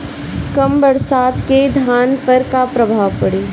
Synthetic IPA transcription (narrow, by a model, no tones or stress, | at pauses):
kɐmbɐɽsaːt̪ked̪ʱaːnpɐɾkapɾɐbʱaːʋpɐɽeː